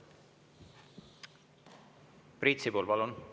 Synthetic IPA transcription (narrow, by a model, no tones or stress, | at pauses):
prit̪ʲsipoːlpɑlun